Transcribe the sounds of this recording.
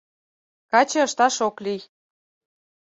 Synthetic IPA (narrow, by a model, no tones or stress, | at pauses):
kɑt͡ɕɤ̆ə̆ʃt̪ɑʃoklij